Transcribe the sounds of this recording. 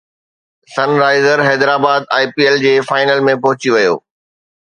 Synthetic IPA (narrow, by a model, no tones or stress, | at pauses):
sɐnɾaːɪzəɾɦɛːd̪ɾaːbaːd̪̚aːipiːeld͡ʑeːfaːɪnəlmẽpɐɦʊt͡ɕiʋɐjo̰ː